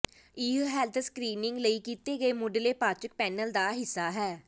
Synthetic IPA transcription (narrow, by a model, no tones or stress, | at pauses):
iɦɦɛːlt̪ʰskɾiːnɪŋɡləiːkiːt̪eːɡəeːmʊɖleːpaːt͡ʃək̚pɛːnəld̪aːɦɪsːaːɦɛː